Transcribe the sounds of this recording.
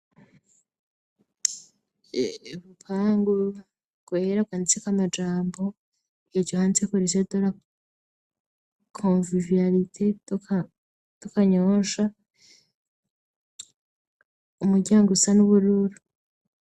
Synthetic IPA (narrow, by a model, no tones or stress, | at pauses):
βupʰaːŋɡu | ɡ̥weːɾaɡanit͡sekwamad͡ʒaːmbo̞ | ijoɟohaːnit͡sekuɾisedoɾa | kʰovivijaɾitʰeka | tukaɲoːʃa | umuɾɟaːŋɡusanuβuɾuɾu